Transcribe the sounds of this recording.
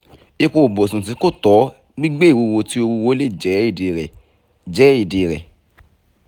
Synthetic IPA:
i˧ko˧˨bo˨sũ˨s̬i˨˦ko˦˨tɔ˨˦ | ɡ͡bi˦ɡ͡be˦˨wu˧wo˧ti˦o˧wu˧wo˦le˦˨d͡ʒɛ˨˦i˦˨de˨ɾɛ˨ | d͡ʒɛ˨˦i˦˨de˨ɾɛ̰˨

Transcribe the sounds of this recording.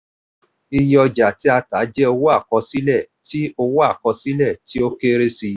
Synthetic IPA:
i˧jɔ˧d͡ʒa˨ti˦a˧ta˨˦d͡ʒɛ˦o˧wo˦a˦˨kɔ˧si˦lɛ˦˨ | ti˦o˧wo˦a˦˨kɔ˧si˦lɛ˦˨ti˦o˦ke˦ɾe˦si˧

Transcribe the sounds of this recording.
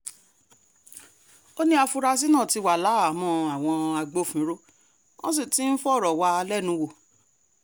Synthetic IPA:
o˦nĩ˦a˧fu˧ɾa˧s̬i˦nã˦˨ti˧wa˨la˨˦a˨mɔ̃˧a˨w̃ɔ̃˧a˧ɡ͡bo˨˦˨fĩ˨˦ɾo˦ | ɔ̃˦s̬i˦˨ti˦n̩˦fɔ˦˨ɾɔ˨wa˧lɛ˦˨nũ˨˧wo˦˨

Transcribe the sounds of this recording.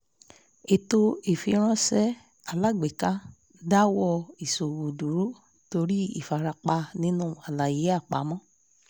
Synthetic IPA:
e˨to˧e˨fi˧ɾ̃ɔ̃˦sɛ˦ | a˨la˦ɡ͡be˨ka˦ | da˦wɔ˧i˨so˨wu˨du˨ɾu˦ | to˧ɾi˦ḭ˦˨fa˨ɾa˧k͡pa˧nĩ˦nũ˦a˨la˨je˨˦a˦˨k͡pa˨˦mɔ̃˦

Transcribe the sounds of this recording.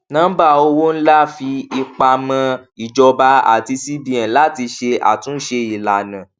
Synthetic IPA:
nãː˦ba˦˨o˧wo˦n̩˦la˦˨fi˧i˧k͡pa˧mã˧i˨d͡ʒɔ˧ba˧˦a̰˨ti˧si˦bi˦ã˨la˦ti˧ʃe˧ʔa̰˨tũ˨˦ʃe˧i˨la˨nã˨

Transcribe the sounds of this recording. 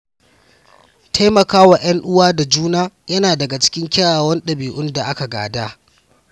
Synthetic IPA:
tʰa˦jmɐ˨kaː˦wa˨j̰ɐ˦ŋʔʊ˦waː˦da˨d͡ʒuː˦naː˦jɐ˦naː˨dɐ˨ɡa˨t͡ʃɪ̥˦kʲɪ˦ŋkʲa˦aː˨wɐ˦nɗɐ˨biː˨ʔʊ˦nda˨ʔa˦ka˨ɡa̰ː˨daː˦

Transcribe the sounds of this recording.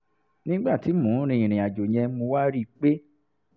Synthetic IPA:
nĩ˦ɡ͡ba˦˨ti˨˦mũ˨˦ɾ̃ĩ˧˨ĩ˨ɾ̃ĩ˨a˨d͡ʒo˨j̃ɛ̃˧˦mũ˧wa˦ɾi˦˨k͡pe˦

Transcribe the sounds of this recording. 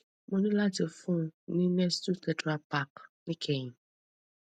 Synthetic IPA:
mõ˨˦nĩ˦la˦te˨fũ˦nĩ˦nɛ˦stu˦t̪ɛ˨ta˨pa˦˨knĩ˦kʰe˨ɲĩ˨

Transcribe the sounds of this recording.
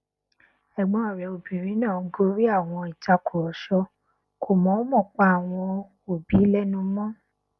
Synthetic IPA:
ɛ˨ɡ͡bɔ̃˨˦ɔ˨ɾɛ˨o˨bĩ˨ɾĩ˨˦nã˦˨˦ɡo˦ɾi˦a˦˨w̃ɔ̃˧i˨ta˧kʰo˨ɾɔ˨ʃɔ˧ | kʰo˨mɔ̃˨˦mɔ̃˦˨k͡pa˦a˨w̃ɔ̃˧ | o˨bi˨˦lɛ˦nũ˦mɔ̃˦

